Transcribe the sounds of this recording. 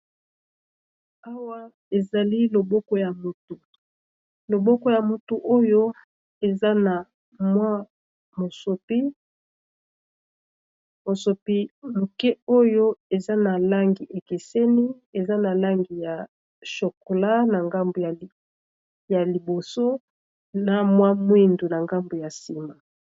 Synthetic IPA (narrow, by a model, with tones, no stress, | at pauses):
a˦wa˦ | e˨za˨li˦lo˨bɔ˦kɔ˦ja˨mo˨tu˨ | lo˨bɔ˦kɔ˦ja˨mo˨tu˨ʔo˦jo˦ | e˨za˦na˨ | mwa˦ | mo˨so˨pi˦ | mo˨so˨pi˦mo˨ke˦o˦jo˦e˨za˦na˨la˦ŋɡi˨ʔe˨ki˨se˦ni˦ | e˨za˦na˨la˦ŋɡi˨ja˨ | ʃo˨ko˨la˦na˨ŋɡa˦mbo˨ja˨ | ja˨li˨bo˨so˦ | na˨mwa˦mwi˦ndu˨na˨ŋɡa˦mbo˨ja˨si˨ma˨